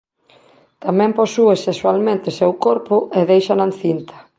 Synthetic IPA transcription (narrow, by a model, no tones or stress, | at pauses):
t̪amɛ̃mposueseswalmẽnt̪esewkoɾpʊʔeðejʃanan̟θint̪ɐ̥